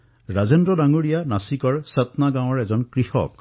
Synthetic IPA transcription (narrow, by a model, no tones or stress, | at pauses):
ɹazendɹɔdaŋuɹijanasikɔɹsat̪naɡãw̃ɔɹɛzɔnkɹixɔ̰k